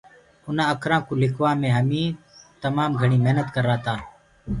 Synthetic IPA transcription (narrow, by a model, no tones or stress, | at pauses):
ʊnãːəkʰɾãːkoːlɪkʰʋaːmẽːɦəmĩː | t̪əmaːmɡʱəɳiːmeɦnət̪kəɾːaːt̪aː